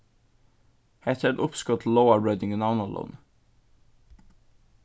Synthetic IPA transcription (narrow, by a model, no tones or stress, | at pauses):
hɛt̪ʰəɖʊpskɔt̪ʰloʊəɹɛd̪ɪŋnaʊnalṵːn